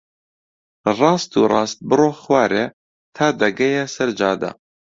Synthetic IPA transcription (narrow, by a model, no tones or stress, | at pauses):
rˤɑːst̪uːrˤɑ̰ːst̪̚bɨroːxwaːɾe | t̪ʰaːd̪ɐɡɛjɛsɐɾd͡ʒɑːd̪a̰